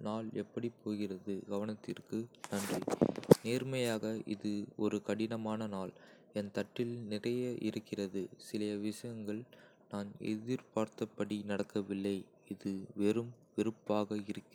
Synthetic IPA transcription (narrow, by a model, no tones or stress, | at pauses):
naːlɛpːɐɽipːoːɣɪrɐðɯɡɐʋɐnɐt̪ːɪrkɯnɐndrineːɾmɐjaːɣɐʔɪ̰ðɯɔɾɯkɐɽɪnɐmaːnɐnaːl | ɛnt̪ɐʈːɪlnɪrɐjɐʔɪ̰ɾɯkːɪrɐðɯsɪlɐɐʋɪʂɐjɐŋɡɐɭ | naːnɛ̰ðɪɾpaːɾt̪ɐpːɐɽinɐɽɐkːɐʋɪlːɐɪ | ɪðɯʋɛɾɯm | ʋɪɾɯpːaːɣɐɪɾɯkːɪ